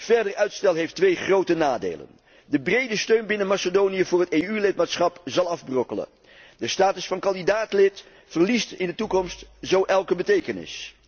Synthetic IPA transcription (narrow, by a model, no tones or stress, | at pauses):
v̥ɛɹdəɹœɥtstɛlˠɦejftʋejχrowtənaːdḛjlə̰n | dəbrejdəstøɥnbɪnəmasədownijəvʊːɹɦətejylɪt̚maːtsχɑpzɑlˠɑvbrɔkələ̰ | dəstaːtəsfɑnkɑndidaːtlɪt | fərlistɪndətukɔmstzowʔɛlˠkəbətejkənɪ̰s